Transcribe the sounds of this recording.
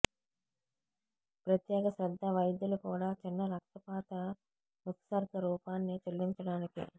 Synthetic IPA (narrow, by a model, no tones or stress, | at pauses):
pɾɐt̪jɛːɡɐsɾɐd̪ʱːɐʋɐjd̪jɐlukuːɽaːt͡ʃinːɐɾɐk̚t̪ɐpaːt̪ɐ | ʋɐt̪saːɾk̪ɐɾuːpaːnːit͡ʃelːiɲt͡ʃɐɽaːnikḭ